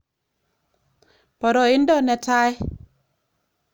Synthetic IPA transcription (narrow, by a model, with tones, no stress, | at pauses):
pɔ˨ɾɔ˨ɪ˦ndɔ˦nɛ˨ta˦j